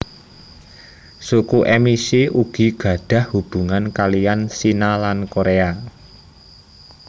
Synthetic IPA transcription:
sukuʔɛmisiuɡ̥i̤ɡ̥ä̤ɖ̥ä̤hhub̥ṳŋankalijansinalankoɾea

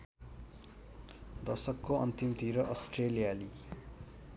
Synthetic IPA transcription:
d̪ʌsʌkːoʌnt̪imt̪iɾʌʔʌsʈrelijali

